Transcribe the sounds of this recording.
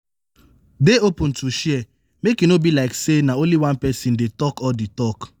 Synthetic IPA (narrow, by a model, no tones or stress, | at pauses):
deopun̩tuʃiɛ | mekinobilaɪksenaonliwãnpɛsin̩detɔkɔditɔk